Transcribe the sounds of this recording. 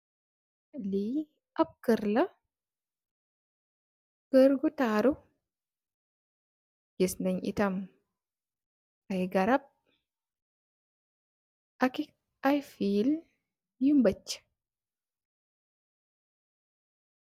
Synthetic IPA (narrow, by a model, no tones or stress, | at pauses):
li | ʔab̚kəɾla | kəɾɡɔtaːɾɔ | ɡ̥esnaɲʔḭtam | ʔajɡaɾab̚ | ʔaki | ʔajfil | jumbat͡ʃːḁ